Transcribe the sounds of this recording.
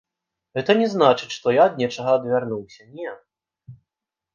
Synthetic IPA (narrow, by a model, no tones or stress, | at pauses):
ɣɛt̪ɐnʲɛznat͡ʂɨt͡ɕʲʂt̪ɔjad̪nʲɛt͡ʂɐɣɐːd̪vʲarnuwsʲɐnʲɛ